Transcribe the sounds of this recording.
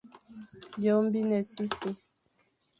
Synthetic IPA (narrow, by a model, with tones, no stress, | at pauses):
bjo˨˦m˦bi˦nɛ˨si˦si˦